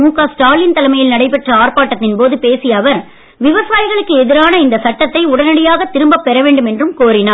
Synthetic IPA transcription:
uːkaːsʈaːlɪnt̪ɐlɐmɐjɪlnɐɽɐɪpɛʈrɐaːrpaːʈːɐt̪ːɪnpoːðɯpeːsɪjɐːʋɐɾ | ʋɪʋɐsaːjɪɣɐɭɯkːɯɛðɪɾaːnɐɪnd̪ɐsɐʈːɐt̪ːɐɪʊɽɐnɐɽɪjaːɣɐt̪ːɪɾɯmbɐpːɛɾɐʋeːɳɖɯmɛndrɯmkoːɾɪnaː

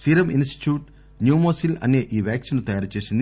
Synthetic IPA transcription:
siɾɐminsʈi̥ʈjuːʈ | njuːmoːsilɐ̰nːeʔiːʋjaːksinut̪ɐjaːɾt͡ɕe̞ːsund̪

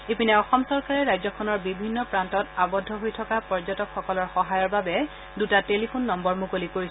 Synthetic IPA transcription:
epinɛɔxɔmsɔɹkaɹɛɹajzɔkʰɔnɔɹbibʱinːɔpɹantɔtabɔdʱːɔɦojtʰɔkapɔɹzɔtɔkxɔkɔlɔɹxɔɦajɔɹbabɛ | dutatelipʰonːɔmbɔɹmukolikoɹis

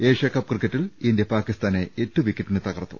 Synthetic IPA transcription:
eːʂjɐkːɐp̚ːkrɨkːɐtːilind̪ijɐpaːkist̪aːneetːuʋikːɐʈːinɨt̪ɐɣɐrt̪ːṵ

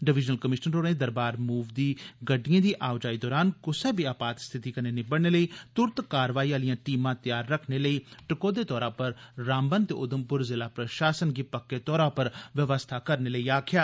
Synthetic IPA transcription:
ɖɪʋɪd͡ʒnəlkəmɪʃnənɾoːɾẽd̪əɾbaːɾmuːʋd̪iːɡəɖːijãːd̪iːʔaːʋd͡ʒaːiːd̪ɔːɾaːnkʊseːbiːaːpaːt̪st̪ʰɪt̪iːkəneːnɪbəɽneːləiːt̪ʊɾt̪kaːɾʋaːiːãːlijãːʈiːmãːt̪jaːɾːəkʰneləiːʈɪkoːd̪eːt̪ɔːɾãːpəɾːaːmbənt̪ḛːʔʊd̪əmpʊɾzɪlaːpɾəʃaːsənɡiːpəkːeːt̪ɔːɾãːpəɾʋəʋəst̪ʰaːkəɾneːləiːaːkʰɪjaː

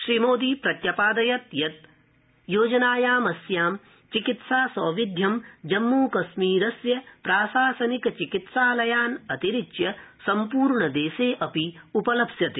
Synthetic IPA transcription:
ʃɾimoːd̪ipɾɐt̪jɐpaːd̪ɐjɐt̪jɐt̪̚ | joːd͡ʒɐnaːjaːmɐsjaːm | t͡ʃikit̪saːsɐːʋid̪ʱjɐmd͡ʒɐmːuːkɐsmiːɾɐsjɐpɾaːsaːsɐnikɐt͡ʃikit̪saːlɐjaːnɐt̪iɾit͡ʃjɐsɐmpuːɾɳɐd̪eːseːʔɐpiupɐlɐpsjɐt̪e

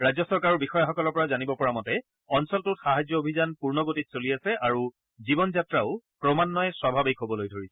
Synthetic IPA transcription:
ɹajzɔsɔɹkaɹɔbixɔjaxɔkɔlɔɹpɔɹazanibɔpɔɹamɔtɛ | ɔnsɔltʊtxaɦazjɔobʱizanpuɹnɔɡotitsolijasɛʔaɹu | zibɔnzatɹaʊpɹɔmanːɔjɛswabʱabikɦobɔlojdʱoɹisɛ̥

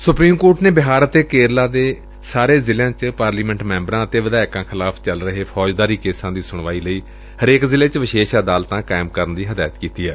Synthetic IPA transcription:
sʊpɾiːmkoːʈneːbɪɦaːɾət̪eːkeːɾlaːd̪eː | saːɾeːzɪleãːt͡ʃpaːɾliːmɛ̃ɳʈmɛ̃ːmbɾãːət̪eːʋəd̪aːɪkãːkʰɪlaːpʰt͡ʃəlɾəɦeːpʰɔːd͡ʒd̪aːɾiːkeːsãːd̪iːsʊɳʋaːiːləiː | həɾeːkzɪleːt͡ʃʋɪʃeːʃaːd̪aːlt̪ãːkaːɪmkəɾənd̪iːɦəd̪aːjət̪kiːt̪iːɛː

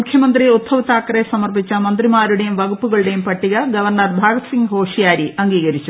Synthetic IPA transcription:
ukʰjɐmɐnd̪riot̪ʰːɐʋɐt̪ːaːkːɐɾesɐmɐrpit͡ɕːɐmɐnd̪rimaːɾuɽe̞jumʋɐɡupːuɣɐɭuɽe̞jumpɐʈːiɣɐɡɐʋɐrɳɐrbʱaːɡɐt̪siŋɡɦo̞ːʂijaːɾiʔɐŋɡiːɣɐɾit͡ɕːu

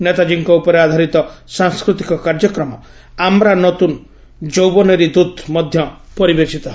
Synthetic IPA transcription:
net̪ad͡ʒiŋkɔupɔɾead̪ʱaɾit̪ɔsaŋskɾut̪ikɔkaɾd͡ʒɔkɾɔmɔ | amɾanɔt̪un | d͡ʒowbɔnɔɾid̪ud̪mɔd̪ʱjɔpɔɾibesit̪ɔɦ

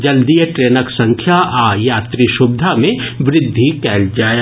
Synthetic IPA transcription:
d͡ʒɐld̪ijəʈɾeːnəksɐ̃ŋkʰjaʔajaːt̪ɾiʃʊb̚d̪ʱamẽʋɾɪd̪ʱːikɛːld͡ʒaːje

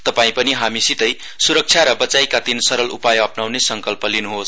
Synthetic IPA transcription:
t̪ʌpaĩpʌniɦamisit̪ʌj | suɾʌk̚t͡ʃʰjaɾʌbʌt͡sajkat̪insʌɾʌlṵpajʌpnawnesʌŋkʌlpʌlinuɦos

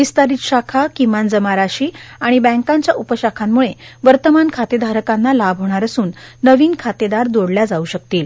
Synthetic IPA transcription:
ʋist̪aɾiːt̪ɕakʰakimand͡zəmaɾaɕiːaɽ̃ibɛ̃ŋkãɲt͡ɕjaʔupəɕakʰamːuɭeʋəɾt̪əmankʰat̪ed̪ʱaɾəkanːalabʱɦoɽ̃aɾəsuːnːəʋiːnkʰat̪ed̪aɾd̪oɽljad͡zauːɕək̚t̪iːl

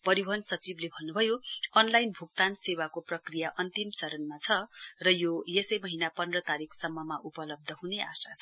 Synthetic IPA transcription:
pʌɾibʱʌnsʌt͡siblebʱʌnːubʱʌjoʌnlajnbʱuk̚t̪ansewakoprʌkrijaʔʌnt̪imt͡sʌɾʌnmat͡sʰʌrʌjojesʌjmʌɦinapʌndrʌt̪aɾikʰsʌmːʌmaʔupʌlʌb̚d̪ʱʌɦuneʔasat͡sʰʌ

